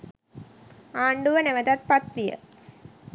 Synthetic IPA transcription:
aːɳɖuʋɐneʋɐd̪at̪̚pɐt̪ɾijə̰

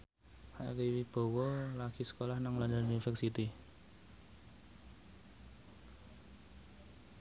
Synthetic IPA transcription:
haʔɾiwib̥o̤wɔlaɡ̥i̤sə̥kolahnaŋlandəlunifɛrsit̪i

